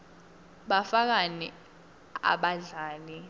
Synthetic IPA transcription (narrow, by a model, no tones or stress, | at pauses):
ɓafak̬ani | a̰ɓaɮaːli